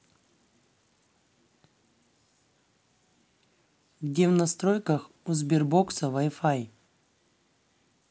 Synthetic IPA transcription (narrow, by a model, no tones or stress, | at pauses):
ɡdʲevnɐst̪ɾojkəx | uzbʲɪrboksəvajfaj